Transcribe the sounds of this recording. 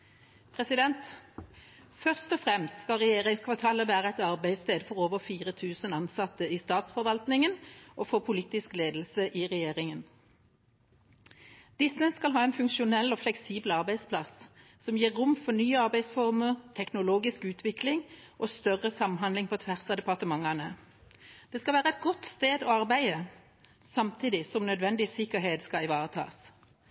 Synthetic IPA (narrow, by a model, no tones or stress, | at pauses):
pʰʁɛsɪd̪ɛnt̪ | fœʁst̪ɔfʁɛmst̪skɑlʁɛjeːʁɪŋskʰʋɑʁt̪ʰɑːləʋæːʁəɛt̪ɑʁbæɪst̪eːd̪fɔʁoːʋəʁfiːʁət̪ʰʉːsənɑnsɑt̪əiːst̪ɑːt̪sfɔʁʋɑlt̪nɪŋənʔofoːpʰʊliːt̪ɪskleːd̪l̩səʔɪʁɛjeːʁɪŋən | d̪̥ɪsəskɑlɦɑːɛnfʉŋkʃʊnɛlːɔːflɛksiːbl̩ɑʁbæɪspʰlɑs | sɔmjiːʁːʊmfɔnyːəɑʁbæɪsfɔʁməʁt̪ʰɛknʊloːɡɪskʉːt̪ʰʋɪklɪŋʔoːst̪œʁəsɑmɦɑnd̪lɪŋpʰɔt̪ʰʋæʁsɑd̪ɛpɑʁt̪əmɑŋːɑnə | d̪̥ɛːskɑlʋæːʁəɛt̪̚ɡɔt̪st̪eːd̪ɔɑʁbæɪə | sɑmt̪ʰiːd̪ɪsɔmnœd̪ʋɛnd̪ɪsɪkəɦeːd̪skɑɪʋɑːʁət̪ʰɑ̰ːs